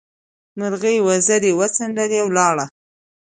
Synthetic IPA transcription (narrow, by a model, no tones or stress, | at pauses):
naɾɣəjwazaɾiwat͡saɳɖaɾiawlɑɽa